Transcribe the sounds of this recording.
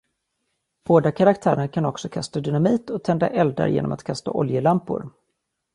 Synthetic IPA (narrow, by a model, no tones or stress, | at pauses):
b̥oːd̪akʰaɾakt̪ʰæːɾəɾkʰanɔksɔkʰast̪ad̪ʏnamiːt̪ɔt̪ʰɛnd̪a̰ʔɛld̪a̰ɾjḛːnɔ̰ma̰t̪kʰast̪a̰ʔɔljəlampʊ̰ɾ